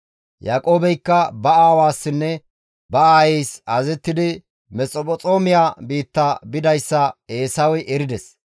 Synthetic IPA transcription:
jaːkʼoːbɛjkːɐbɐaːwaːsːɪnːɛ | bɐaːjɛjsɐzɛt̪ːɪd̪ɪ | mɛt͡sʼɔpʼɔt͡sʼo̞ːmɪjaːbiːt̪ːabɪd̪ɐjsːɐe̞ːsɐwɔjʔɛɾɪd̪ɛs

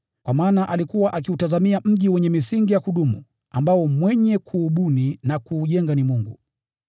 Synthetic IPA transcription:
kwamaːnaʔalikuwaʔakiutazamiam̩ʄiwɛɲɛmisiŋɡijakuɗumṵ | ambaɔmwɛɲɛkʰuːɓuninakuːʄɛŋɡanimuŋɡu

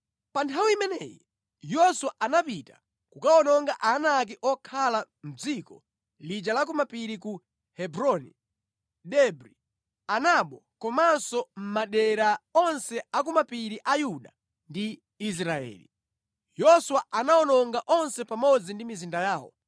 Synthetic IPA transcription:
pantʰawiimɛnɛjɛ̰ | jɔswaʔanapitḁ | kukaɔnɔŋɡaʔanak̬iʔɔkʰala | m̩d͡zikɔ | lid͡ʒalakumapiɾiku | hɛbɾɔnḭ | ɗɛbɾi | anaɓɔkɔmansɔm̩maɗɛɾaɔnsɛakumapiɾiʔajuɗa | ndi | is̬ɾaɛ̰ːli | jɔswaanaɔnɔŋɡaʔɔnsɛpamɔd͡zindimizindajaːwɔ̰

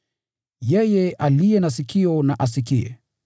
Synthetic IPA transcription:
jɛjɛʔalijɛnas̬ikʰiɔnaʔas̬ikiɛ̰

